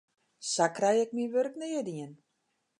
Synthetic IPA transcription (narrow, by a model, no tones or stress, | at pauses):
sakrɛjɛk̚miʋørknɪədiən